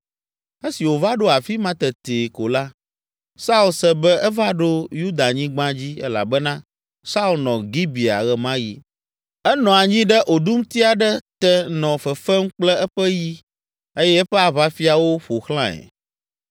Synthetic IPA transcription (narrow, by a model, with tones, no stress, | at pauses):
e˦si˨wo˨va˦ɖo˦a˨fi˦mã˦t̪ɛ˨t̪e˨ko˨la˦ | sa˦u˦lsɛ˦bɛ˦ɛ˦va˦ɖo˦ju˦d̪a˨ɲĩ˦ɡ͡bã˦d͡ʑi˦ɛ̰˦la̰˨bɛ˦nã˦ | sa˦u˦lnɔ̃˨ɡi˦bi˨a̰˨ɣɛ˨mã˦ji˦ | ɛ˦nɔ̃˨a˨ɲĩ˦ɖɛ˦ʔo˨ɖu˦m˦t̪i˦a˨ɖɛ˦t̪ɛ˦nɔ̃˨fɛ˨fɛ˦m̩˦k͡plɛ˦ɛ˦ɸɛ˦ji˦ | e˦jɛ˦ɛ˦ɸɛ˦a˨βa˦fi˦a˨wo˦ɸo˨xlã˦ɛ̰˨